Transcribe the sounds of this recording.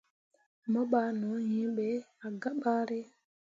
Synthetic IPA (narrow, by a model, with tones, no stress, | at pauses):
mɔ˦ɓa˨˦nɔ˨˦ɲĩ˦ɓɛ˨˦a˨ɡa˦ɓa˦ɾe˦